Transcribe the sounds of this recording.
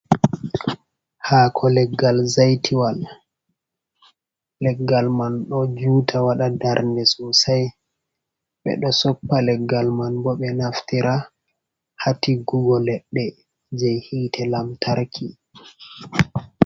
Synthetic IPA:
haːkʰɔlɛɡːalzajtʰiwal | lɛɡːalmanɗɔd͡ʒuːtʰawaɗadaɾndɛsusaj | ɓɛ̰ɗɔsɔpːalɛɡːalmanbɔɓɛnaftiɾʔa | hatiɡuɡɔlɛɗːɛ | d͡ʒɛjhiːtʰɛlamtʰaɾkʰi

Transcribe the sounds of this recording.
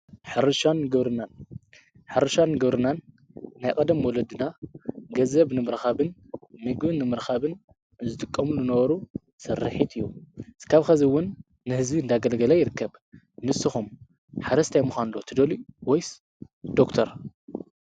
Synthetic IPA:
ħɨɾɨʃanɨɡɐβɾɨnan | ħɨɾɨʃanːɨɡɐβɾɨnanː | ajkʼɐd̪ɐmwɔlɐd̪ɨnaɡɐzɐβnɨmɨɾxaβɨnmɨɡbɨnɨmɨɾxaβɨn | zɨt̪ʼɨkʼːɐmulɨnɐβɐɾu | sɐrɨħit̪ɨjːukʰaβxɐziwʊnː | ɨhɨzbiɨnd̪aɡɐlɡɐlajɪɾɨkʰːɐβ | nɨsːɨxum | ħaɾɐst̪ʰajmuxanlot̪ʰɨd̪ɐliwojs | d̪̥okt̪ʰɐɾ

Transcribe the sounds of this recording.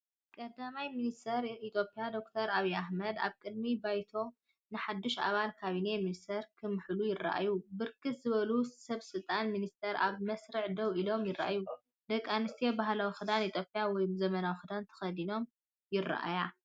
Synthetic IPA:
kʼɐd̪amajminist̪ʰɐɾit̪ʰjo̞pʼijad̪o̞kt̪ʰɐɾaβijaħmɐd̪a̰βkʼɨd̪mibajt̪ʰo̞ | nɨħad̪ːɨʃa̰βalkʰaβine̞minist̪ʰɐɾkʰɨmɨħlujɪrːa̰ʔa̰jubɨɾkʰɨt̪zɨβɐlusɐβsɨlt̪ʼanminist̪ʰɐɾʔa̰βmɐsɾɨʕd̪ɐwilo̞mjɪrːa̰ʔaju | d̪ɐkʼːanɨst̪ʰijebahlawxɨd̪anit̪ʰʼjo̞pʼjawɔjzɐmɐnawxɨd̪ant̪ʰɐ̥xɐd̪ino̞m | jɪrːa̰ʔa̰ja

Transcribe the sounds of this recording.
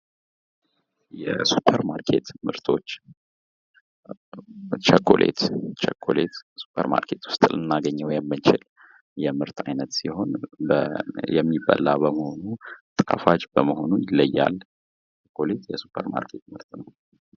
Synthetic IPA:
jɛsupʰːəɾmaɾkʰe̞t̪mɨɾt̪ʰo̞t͡ʃː | t͡ʃʰəkʰːolʔḛt̪t͡ʃʰəkʰːolʔet̪su̥pʰəɾma̰ɾkʰe̞t̪wʊ̥st̪ʼlɨnːaɡəɲːəwjɛmːɨnt͡ʃɪl | jɛmɨɾt̪ʰajnət̪siho̞nbəjɛmːibəlːabəməho̞nut̪ʼɨkʼafad͡ʒbəməho̞nujləjːa̰lː | t͡ʃt͡ʃəkʰːole̞t̪jɛsu̥pʰəɾma̰ɾkʰe̞t̪mɨɾt̪nəw

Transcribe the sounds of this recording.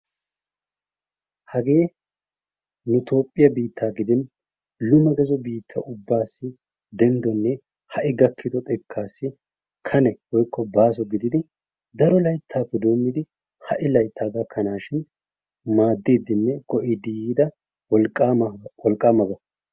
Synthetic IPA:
hɐɡe̞ː | nʊt̪o̞ːpʼːɪjɐbiːt̪ʰːaːɡɪd̪ɪn | lʊmɐɡɛzɔbiːt̪ʰːɐ̰ʔʊbːaːsːɪ | d̪ɛnd̪ɔnːɛ | hɐʔɪɡɐkʰːɪd̪ɔt̪ʼɛkʰːaːsːɪ | kʰɐnɛwɔjkʰːɔbaːs̬ɔɡɪd̪ɪd̪ɪ | d̪ɐɾɔlɐjt̪ʰːaːpːɛd̪o̞ːmːɪd̪ɪ | hɐ̰ʔɪlɐjt̪ʰːaːɡakʰːɐnaːʃɪn | maːd̪ːiːd̪ːɪnːɛkɔʔid̪iiːd̪ɐ | wɔlʼːwɔlkʼːaːmɐɡɐ

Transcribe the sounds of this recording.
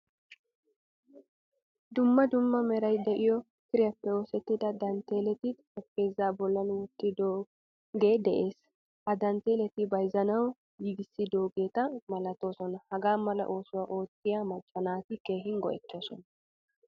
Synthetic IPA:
d̪ʊmːɐd̪ʊmːɐmɛɾɐjd̪ɛʔɪjɔ | kɪɾɪjɐpːɛo̞ːsɛt̪ːɪd̪ɐd̪ɐnt̪e̞ːlɛt̪ɪɔpːe̞ːzːaːbɔlːɐnwɔt̪ːɪd̪oː | ɡe̞ːd̪ɛʔeːs | ʔɐd̪ɐnt̪e̞ːlɛt̪ɪbɐjzɐnɐw | jiɡɪsːɪd̪o̞ːɡe̞ːt̪ɐmɐlɐt̪o̞ːsɔnɐhɐɡaːmɐlɐ̰ʔo̞ːsʊwaːʔo̞ːt̪ːɪjamɐt͡ʃʼːɐnaːt̪ɪke̞ːɦɪŋɡɔ̰ʔɛ̰t̪ːo̞ːsɔnɐ

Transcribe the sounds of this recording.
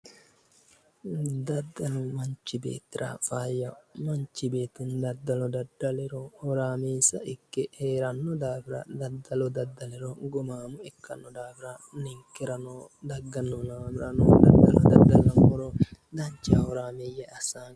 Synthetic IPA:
d̪ɐd̪ːɐlʊmɐnt͡ʃːɪbḛːt̪ːɪɾʔɐ̰faːjːɐmɐnt͡ʃːɪbe̞ːt̪ːɪnd̪ɐd̪ːɐlɔd̪ɐd̪ːɐlɛɾɔhɔɾaːmeːsɐʔɪkːɛheːɾɐnːɔd̪aːfɪɾɐ̰d̪ɐd̪ːɐlɔd̪ɐd̪ːɐlɛɾɔɡɔmaːmʊɛkːɐnːɔd̪aːfɪɾɐnɪŋkːɛɾɐnoː | d̪ɐɡːɐnːɔnaːbɪɾɐno̰ːd̪ɐd̪ːɐlɔd̪ɐd̪ːɐlɐmɔɾɔ | d̪ɐɲt͡ʃːɪɐhɔɾaːmejɛɐsaːn

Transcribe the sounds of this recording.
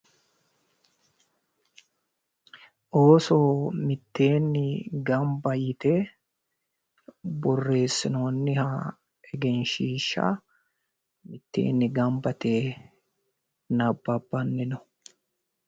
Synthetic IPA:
ʔoːsoːmɪt̪ːe̞ːnːɪɡɐmbɐjɪt̪eː | bɔrːe̞ːsːɪnoːnːɪhɐ | ɛɡɛnʃiːʃːɐ̰ | mɪt̪ːḛːnːɪɡɐmbɐt̪eː | nɐbːɐbːɐnːɪnɔ

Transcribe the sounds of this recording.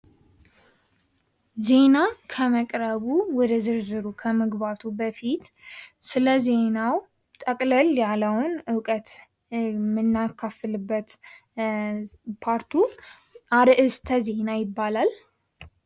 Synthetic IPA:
ze̞nakʰəməkʼɾəβuwɔd̪əzɨɾzɨɾukʰəməɡβat̪ʰubəfit̪sɨləze̞naw | t̪ʼəkʼləljaləwʊnɨwkʼət̪ | mɨnːakʰːafɨlɨbːət̪ | pʰaɾt̪ʰu | ʔaɾɨʔɨst̪ʰəze̞najɪbːalal

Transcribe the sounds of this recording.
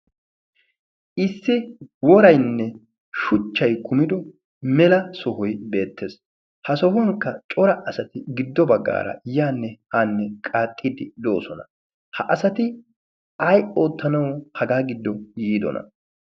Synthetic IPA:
ʔɪsːɪwɔɾɐjnːɛ | ʃʊt͡ʃːɐjkʰʊmɪd̪ɔ | mɛlɐsɔɦɔjbe̞ːt̪ʰːeːs | hɐsɔɦʊŋkːɐt͡ʃʼɔɾɐʔɐsɐt̪ɪɡɪd̪ːɔbɐɡːa̰ːɾɐ̰jaːnːɛhanːɛkʼaːt̪ʼːid̪ɪd̪o̞̰ːsɔnɐ | hɐʔɐsɐt̪ɪ | ɐjʔoːt̪ːɐnɐwɔhɐɡaːɡɪd̪ːɔjiːd̪ɔ̰nɐ̰

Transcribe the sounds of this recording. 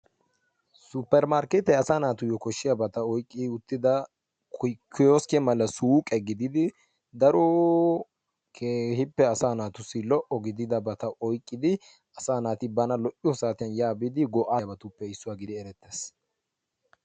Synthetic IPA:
sʊpːɛɾmaːɾkɛt̪ɛɐsaːnaːt̪ʊjɔkɔʃːɪjabɐt̪ɐɔjkʼːɪɪʊt̪ːɪd̪ɐ | kʊkʰːɪjoːskɛmɐlɐsuːkʼɛɡɪd̪ɪd̪ɪ | d̪ɐɾɔ | kʰehɪpːɛɐsaːnaːt̪ʊsɪlɔʔɔɡɪd̪ɪd̪ɐbɐt̪ɐʔɔjkʼːɪd̪ɪ | ɐsaːnaːt̪ɪbɐnɐlɔʔɪjɔsaːt̪ɪjɐnjaːbɪd̪ɪɡɔʔaːbɐt̪ʊpːɛɪsːʊwaːɡɪd̪ɪɛɾɛt̪ːeːs

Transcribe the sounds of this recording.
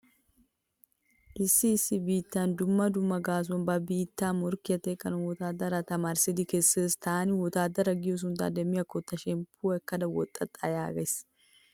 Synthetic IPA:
ʔɪsːɪːsːɪbiːt̪ːaːnd̪ʊmːɐd̪ʊmːɐɡaːs̬ɔnbɐbiːt̪ːaːmɔɾkɪjɐt̪eːkʼːɐnɐwɔt̪aːd̪ɐɾɐt̪ɐmaɾsɪd̪ɪkesːeːst̪aːnɪwɔt̪aːd̪ɐɾɐɡɪjɔs̬ʊnt̪a̰ːd̪ɛmɪjɐkːɔt̪ːɐʃɛmpuɛkːɐd̪ɐwɔ̰t̪ʼːɐt̪ʼːa̰ːjaːɡes

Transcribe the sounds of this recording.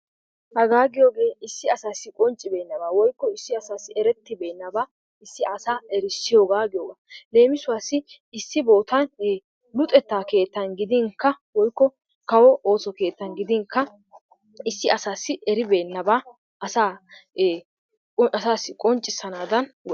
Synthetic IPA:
hɐɡaːɡɪjoːɡe̞ːɪsːɪɐsaːsːɪkʼɔnt͡ʃʼːɪbeːnːɐbaːwɔjkːɔɪsːɪɐsaːsːɪɛɾɛt̪ːɪbe̞ːnːɐba | ɪsːɪʔɐsaːɛɾɪsːɪjo̞ːɡaːɡɪjoːɡaːle̞ːmɪsʊwaːsːɪ | ɪsːɪbo̞ːt̪ɐn | lʊt̪ʼɛt̪ːaːke̞ːt̪ːɐnɡɪd̪ɪŋkːɐwɔjkːɔ | kɐwɔʔo̞ːsɔke̞ːt̪ːɐnɡɪd̪ɪŋkːɐ | ɪsːɪʔɐsaːsːɪʔɛɾɪbe̞ːnːɐbaː | ɐsaː | ɐsaːsːɪkʼɔnt͡ʃʼːɪsːɐnaːd̪ɐnw

